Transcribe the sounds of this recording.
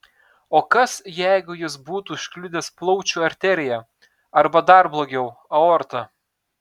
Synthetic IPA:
oːkɐsjæɪɡʊjɪsbuːt̪uːɪʃʲkʲlʲʊd̪ʲeːsplˠɔʊt͡ʃʲuːɐɾʲt̪ʲɛɾʲɪjɛ | ɐɾbɐd̪ɐɾblˠoːɡʲɛʊɐɔɾt̪ɐ

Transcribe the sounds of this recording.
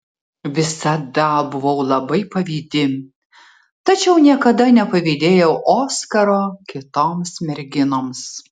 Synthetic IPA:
ʋʲɪsɐd̪ɐbʊʋɐʊlˠɐbɐɪpɐʋʲiːd̪ʲɪ | t̪ɐt͡ʃʲɛʊnʲiɛkɐd̪ɐnʲɛpɐʋʲiːd̪ʲeːjɛʊʔoːskɐɾoːkʲɪt̪oːmsmʲɛɾʲɡʲɪnoːms

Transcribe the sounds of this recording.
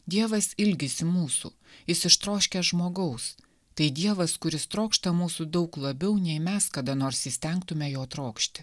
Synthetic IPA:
d̪ʲiɛʋɐsɪlʲɡʲɪsʲɪmuːsṵː | jɪsɪʃt̪ɾoːʃʲkʲɛʒmoːɡɐʊs | t̪ɐɪd̪ʲiɛʋɐskʊɾʲɪst̪ɾoːkʃt̪ɐmuːsud̪ɐʊklˠɐbʲɛʊnʲɛɪmʲɛskɐd̪ɐnoːɾsisʲt̪ʲɛŋk̚t̪ʊmʲɛjoːt̪ɾoːkʃʲt̪ʲɪ

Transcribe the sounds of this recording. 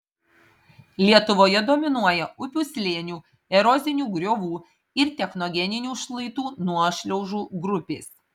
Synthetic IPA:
lʲiɛt̪ʊʋoːjɛd̪oːmʲɪnuɔjɛʊpʲuːsʲlʲeːnʲuː | ɛɾɔzʲɪnʲuːɡɾʲoːʋuː | ɪɾt̪ʲɛxnoɡʲɛnʲɪnʲuːʃlˠɐɪt̪uːnuɔʃʲlʲɛʊʒuːɡɾʊpʲḛːs

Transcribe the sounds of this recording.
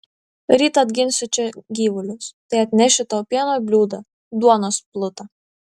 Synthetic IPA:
ɾʲiːt̪ɐːd̪ʲɡʲɪnʲsʲʊt͡ʃʲɛɡʲiːʋʊlʲʊst̪ɐɪɐt̪ʲnʲɛʃʲɪt̪ɐʊpʲiɛnoːjbʲlʲuːd̪ɐ | d̪uɔnoːsplˠʊt̪ɐ

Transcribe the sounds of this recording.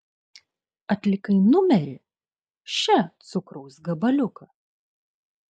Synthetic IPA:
ɐt̪ʲlʲɪkɐɪnʊmʲɛɾʲɪ | ʃʲɛt̪sʊkɾɐʊsɡɐbɐlʲʊkɐ

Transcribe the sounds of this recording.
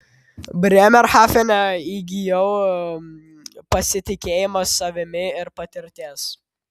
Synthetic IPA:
bʲɾʲɛmʲɛɾxaːfʲɛnʲɛiɡʲɪjɛʊ | pɐsʲɪt̪ʲɪkʲeːjɪmɐsːɐʋʲɪmʲɪɪɾpɐt̪ʲɪɾʲt̪ʲeːs

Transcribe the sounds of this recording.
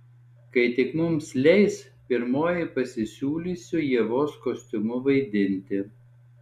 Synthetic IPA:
kɐɪt̪ʲɪkmʊmslʲɛɪs | pʲɪɾmoːjɪɪpɐsʲɪsʲuːlʲiːsʲʊjiɛʋoːskoːsʲt̪ʲʊmʊʋɐɪd̪ʲɪnʲt̪ʲɪ

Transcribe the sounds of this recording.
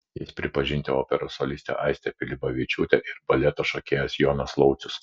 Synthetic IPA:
jɪspʲɾʲɪpɐʒʲɪnʲt̪ʲɪoːpʲɛɾosolʲɪst̪ʲɛ̰ʔɐɪsʲt̪ʲɛpʲɪlʲɪbɐʋʲɪt͡ʃʲuːt̪ʲɛʔɪɾbɐlʲɛt̪ɐʃokʲeːjɛsjoːnɐslˠɒʊt̪sʲʊs

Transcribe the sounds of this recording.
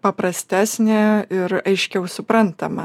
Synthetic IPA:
pɐpɾɐsʲt̪ʲæːsʲnʲeɪɾɐɪʃʲkʲɛʊsʊpɾɐnt̪ɐmɐ

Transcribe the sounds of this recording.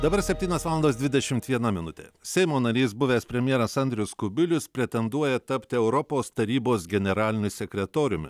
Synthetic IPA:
d̪ɐbɐɾsʲɛpʲt̪ʲiːnʲoːsʋɑːlˠnd̪oːsd̪ʲʋʲɪd̪ʲɛʃʲɪmt̪ʋʲiɛnɐmʲɪnʊt̪ʲḛːsʲɛɪmoːnɐɾʲiːsbʊʋʲeːspʲɾʲɛmʲjɛɾɐsɐnʲd̪ʲɾʲɪjʊskʊbʲɪlʲʊspʲɾʲɛt̪ʲɛnd̪uɔjɛt̪ɐpʲt̪ʲɪɛʊɾɔpoːst̪ɐɾʲiːboːs̬ɡʲɛnʲɛɾɑːlʲɪnʲʊsʲɛkʲɾʲɛt̪oːɾʲʊmʲɪ̰

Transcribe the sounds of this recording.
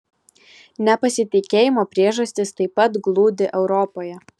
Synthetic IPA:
nʲɛpɐsʲɪt̪ʲɪkʲeːjɪmoːpʲɾʲiɛʒɐsʲt̪ʲɪst̪ɐɪpːɐt̪ɡlˠuːd̪ʲɪʔɛʊɾɔpoːjɛ

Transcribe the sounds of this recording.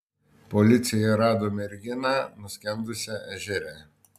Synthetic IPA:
pɔlʲɪt̪sʲɪjɛɾɑːd̪oːmʲɛɾʲɡʲɪnɑːnʊsʲkʲɛnd̪ʊsʲɛʔɛʒʲɛɾʲæ

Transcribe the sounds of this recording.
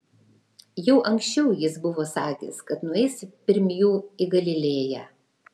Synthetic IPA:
jɛʊʔɐŋʲksʲt͡ʃʲɛʊjɪsbʊʋoːsɑːkʲḛːskɐt̪nʊɛɪspʲɪɾʲmʲjuːɪɡɐlʲɪlʲeːjæː

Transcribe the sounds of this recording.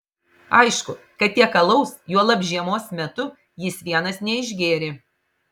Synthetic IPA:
ɐɪʃkʊ | kɐt̪̚t̪ʲiɛkɐlˠɐʊsjuɔlˠɐbʲʒʲiɛmoːsmʲɛt̪ʊ | jɪsʋʲiɛnɐsnʲɛɪʒʲɡʲeːɾʲɪ

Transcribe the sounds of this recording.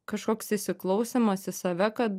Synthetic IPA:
kɐʃkoːksɪsʲɪklˠɒʊsʲemɐsɪsɐʋʲɛkɐt̪

